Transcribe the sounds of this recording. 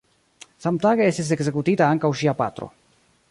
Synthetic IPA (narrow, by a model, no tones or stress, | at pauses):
samt̪aɣeeses̬eksekut̪it̪aaŋkawʃiapa̰t̪ɾo̰